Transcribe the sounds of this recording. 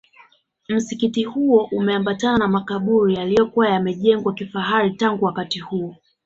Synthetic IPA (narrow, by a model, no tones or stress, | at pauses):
m̩sikitihuɔʔumɛambatananamakaɓuɾijalijɔkuwajamɛʄɛŋɡwakifaɦaɾitaŋɡuwakatihuɔ